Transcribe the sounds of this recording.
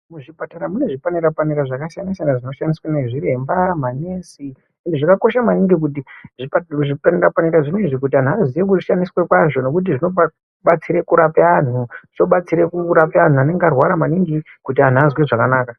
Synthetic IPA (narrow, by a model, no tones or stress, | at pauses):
muʐipataɾamune̞ʐipaneɾapaniɾaʐakasjanisanaʐino̞ʃaniswaneʐiɾembamanesi | endeʐakako̞ʃamaniŋɡik̬utiʐiʐipaneɾapaniɾaʐinoiʐik̬ut̬ian̤uazwiwek̬uʐiʃaniswekwaʐo̞no̞kut̬iʐino̞pa | ɓat͡siɾekuɾapean̤uʐit͡ʃo̞ɓat͡siɾekuɾapean̤uane̞ŋɡearwaɾamaniŋɡikut̬ian̤uazweʐakanaːka